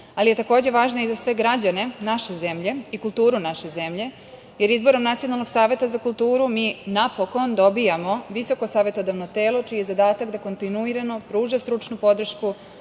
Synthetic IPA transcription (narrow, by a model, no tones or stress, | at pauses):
alije̞t̪ako̞ːd͡ʑeʋaːʒnaizasʋe̞ɡɾad͡ʑane̞naʃeze̞mʎe̞ikult̪uːɾunaʃe̞ze̞mʎe̞ | je̞ɾizbo̞ɾo̞mnat̪sio̞nalno̞ɡ̥saːʋe̞t̪azakulˠt̪uːɾumiːnapoko̞nd̪o̞bijamo̞ʋiso̞kosaːʋe̞t̪od̪aʋnot̪e̞ːlo̞t͡ʃiːjezad̪aːt̪akd̪ako̞nt̪inuiɾanopɾuːʒast̪ɾut͡ʃnupo̞d̪r̩ʃku